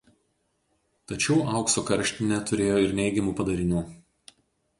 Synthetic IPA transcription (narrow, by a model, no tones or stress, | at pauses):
t̪ɐt͡ʃʲɛʊʔɐˑʊksoːkɐɾʲʃʲt̪ʲɪnʲɛt̪ʊɾʲeːjoːɪɾnʲɛɪɡʲɛmuːpɐd̪ɐɾʲɪnʲuː